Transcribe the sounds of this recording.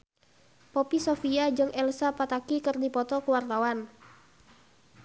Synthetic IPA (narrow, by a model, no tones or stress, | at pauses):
pɔpisofiad͡ʒɨŋʔɛlsapat̪akikɨrdipɔt̪ɔkəwart̪awan